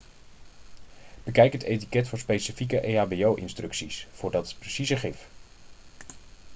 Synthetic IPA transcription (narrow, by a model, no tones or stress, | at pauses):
b̥əkɛjkɦətejtikɛtfʊːɹspejsəfikəʔejaːbejowʔɪ̰nstrɵksisfʊːɹdɑtət̚prəsizəχɪf